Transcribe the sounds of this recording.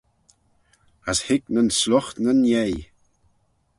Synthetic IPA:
ashɪknənslɔxnənjej

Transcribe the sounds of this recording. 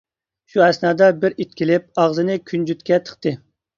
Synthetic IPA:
ʃuɛsnɑːd̪ɛbɪɾit̪kʲilɪp̚ɑʁzɨnɨkʲʰynd͡ʒyt̪kʲɛt̪ʰə̥χt̪ɨ

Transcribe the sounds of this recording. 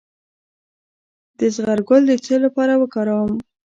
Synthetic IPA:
d̪̥əzɣaɾɡʊld̪ət͡səlapɑɾawəkɑɾawəm

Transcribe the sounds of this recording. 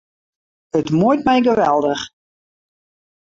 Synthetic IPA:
ətmujtmɛjɡəʋɛlˠdəx

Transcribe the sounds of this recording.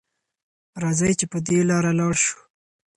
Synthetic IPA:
ɾɑzɑjt͡ʃepəd̪elɑɾalɑɽʃu̥

